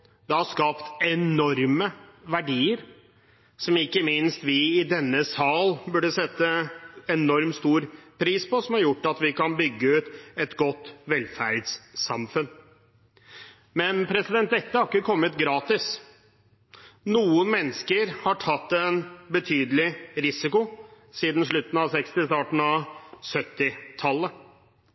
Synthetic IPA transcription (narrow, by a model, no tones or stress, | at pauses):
d̪ɛhɑskɑːpt̪ɛnɔɾməʋæɖiːəɾ | sɔmɪkːəmɪnst̪ʋɪɪd̪ɛnːəsɑːlbʉɖəsɛt̪ːəɛnɔɾmst̪uːɾpʰɾiːspɔsɔmhɑɾjʊʈːɑt̪ʋɪkɑnbʏɡːəʉːt̪ɛt̪ɡɔt̪ːʋɛlfæɾd̪sːɑmfʉn | mɛnpʰɾɛsɪd̪ɛnt̪ɛt̪ːəhɑɾɪkːəkʰɔmːət̪ɡɾɑːt̪ɪs | nuːənmɛnːəskəɾhɑʈʰɑt̪ːɛnbət̪ʰyːd̪əlɪɾɪsɪkʊ | siːd̪n̩ʂɭʉt̪n̩ɑsɛkst̪ɪst̪ɑːʈɳ̩ɑsœt̪ːɪt̪ʰɑlːə